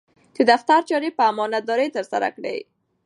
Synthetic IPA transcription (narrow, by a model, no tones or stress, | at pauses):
d̪̥əd̪aft̪aɾt͡ʃɑɾepəamɔnad̪ɑɾəjt̪əɾsa̰ɾa̰kɽḛj